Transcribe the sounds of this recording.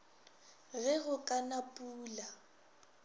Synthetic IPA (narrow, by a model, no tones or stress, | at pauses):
ɣɛɣʊkʼanapʼuːla